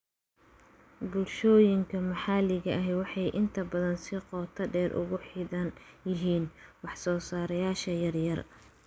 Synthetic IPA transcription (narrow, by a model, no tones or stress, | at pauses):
bʊlʃɔːjɪŋkʰɐmɐħɑlɪɣɐʔɐɦɛwɑħɑjʔɪnt̪ʰɐbɐðɐnsɪqɔːt̪ʰɐɖɛːɾʔʊ̰ɣʊħiːðɐnjɪɦiːnwɑħsɔːsaːɾɐjaːʃɐjɐrjɐr